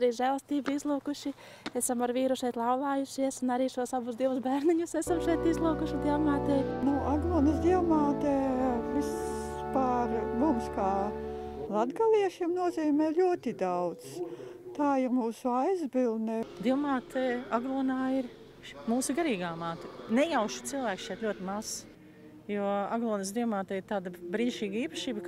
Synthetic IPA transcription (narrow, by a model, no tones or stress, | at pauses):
aɾiːʒælˠst̪iːbizlˠuːkuʃi | esamaɾʋiːɾuʃɛjt̪lˠawlˠaːjuʃiɛsunaɾiːʃuɔsabusd̪iɛvusbæːɾnʲiɲusesamʃɛjt̪izlˠuːkuʃid̪iɛwmaːt̪ɛːnuʔaɡlˠuɔnɐsd̪iɛwmaːt̪ɛːvispaːɾmumskaː | lˠad̪ɡaliɛʃimnuɔziːmɛːlʲuɔt̪id̪awdt̪st̪aːiɾmuːsuajzbilˠnɛd̪iɛwmaːt̪ɛːaɡlˠuɔnaːiɾ | muːsuɡaɾiːɡaːmaːt̪nɛjawʃu̥t̪silˠvæːksʃɛːt̪lʲuɔt̪imaz | juaɡlˠuɔnɐsd̪iɛwmaːt̪ɛːiɾt̪aːd̪ɐbɾinʃiːɡɐiːpɐʃiːbə